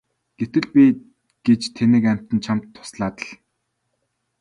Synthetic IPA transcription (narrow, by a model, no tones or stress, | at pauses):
ɡ̥et̪ɘ̆ɮpʲi | ɡ̥et͡ɕt̪ʰenɘ̆kæm̥ʲt̪ɘ̆nt͡ɕʰam̥t̪ʰːʊ̥sɮaːt̪ə̆ɮ